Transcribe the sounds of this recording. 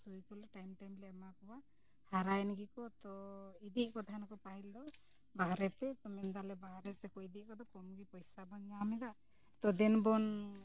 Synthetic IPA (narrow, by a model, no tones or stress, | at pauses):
sujkulɛʈajmʈajmlɛmakɔwa | haɾajnɡikɔt̪ɔid̪iʔkɔt̪ʰaɦankɔpaɦild̪ɔ | baɦɾɛt̪ɛt̪ɔmɛnd̪alɛbaɦɾɛt̪ɛkɔid̪iʔ̚ˀkɔd̪ɔkɔmɡipɔjsabaɲɲamɛd̪aʔ | t̪ɔd̪ɛnbɔn